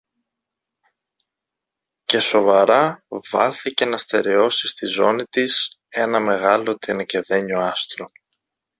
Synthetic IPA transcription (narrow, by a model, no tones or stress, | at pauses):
ce̞so̞vɐɾɐv̥ɐ̰lθice̞nɐst̪e̞ɾe̞o̞sist̪izo̞nit̪ise̞nɐme̞ɣɐlo̞t̪inɐce̞ðe̞ɲoɐst̪ɾo̞